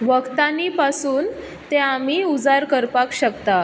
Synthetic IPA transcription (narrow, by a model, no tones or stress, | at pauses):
ʋəkt̪anipasuːn | t̪ẽam̤iud͡zaɾkəɾpakɕəkt̪a